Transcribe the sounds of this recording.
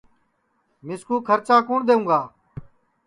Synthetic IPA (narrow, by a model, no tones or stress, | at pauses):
mɪskuːkʰəɾt͡ʃaːkuːɳd̪eːũːɡaː